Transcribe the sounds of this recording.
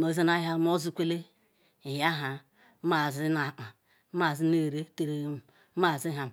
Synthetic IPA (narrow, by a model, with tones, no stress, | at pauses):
no˨˦ze˦na˦ja˦m˦o˦zu˦kʷe˦le˦ | i˨ja˦ɦa˨˦ | ma˨zi˦na˨ʔa˨˦ | ma˨zi˦ne˦˨ɾe˦te˨ɾe˨˦m˨˦ | a˦˨zi˦ɦa˨m˨